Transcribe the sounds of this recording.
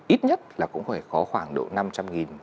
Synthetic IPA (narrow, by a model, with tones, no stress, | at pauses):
ʔi˦˥t̚ɲə˦˥t̚laː˨˩kʊ̰˧˥ŋ͡mfaː˧˩xɔ˨˦xwaː˧˩ŋɗo̰˧˨na˧mt͡ɕa˧mŋi˨˩n